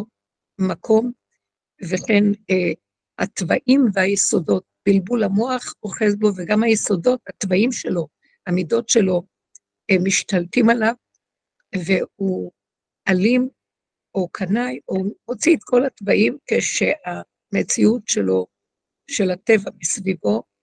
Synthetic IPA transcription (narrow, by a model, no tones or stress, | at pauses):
makʰo̞m | veχe̞n | ha̰t̪vaʔimveajeso̞do̞t̚b̥ilbulamo̞aχoχezbo̞veɡamhajeso̞do̞thatvaimʃe̞lo̞ | hamido̞tʃe̞lo̞ | emiʃtaltimalav | vehu | ʔalim | ʔo̞kʰanajo̞mo̞t͡siet̪kʰo̞latvaʔimkeʃea | met͡siutʃelo | ʃelate̞vamisvivo̞